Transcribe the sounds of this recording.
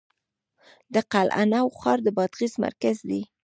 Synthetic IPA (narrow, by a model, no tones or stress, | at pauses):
d̪əqalʔa̰nawxɑɾd̪əbɑd̪ɣizma̰ɾkazd̪i